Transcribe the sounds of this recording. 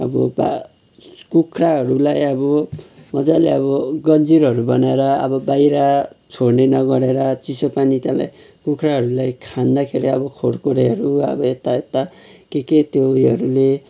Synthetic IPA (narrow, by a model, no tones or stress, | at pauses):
ʌbʌba | kukʰraɦʌɾulajʌbʌmʌd͡zaleʌβʌɡʌnd͡ziɾʌɾubʌnaeɾʌʌ̰bʌbajɾat͡sʰoɽnenʌɡʌɽeɾʌt͡sisʌpanit̪jãla̰j | kukʰraɦʌɾulajkʰand̪akʰeɾiʌbʌkʰoɽkoɽeɦʌɾuʌ̰bʌet̪aet̪ːa | keket̪jojɦʌɾule